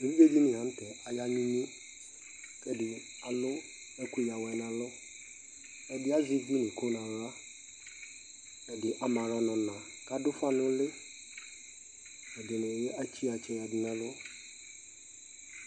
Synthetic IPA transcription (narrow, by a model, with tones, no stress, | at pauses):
e˨vi˦ɡe˦d͡ʑi˦nɪ̃˨ɦã˨n˦tɛ˨a˨ja˦ɲĩ˦ɲĩ˦ | kɛ˦dɪ˨ | a˨lʊ˦ | ɛ˦ku˦ja˨wɛ˨nã˨lʊ˦ | ɛ˨dɪ˦a˦zi˦ɡĩ˦nĩ˨ko˦nã˨˦ɾa˦ | ɛ˨dɪ˨ʔa˨mã˨ɾa˦nɔ̃˨nã˨ | ka˦dʊ˦fa˦nʊ̃˦lɪ˦ | ɛ˨dɪ˨nʊ̃˨je˦a˦t͡ɕi˦a˨t͡ɕɛ˦ja˨di˨nã˦lʊ˦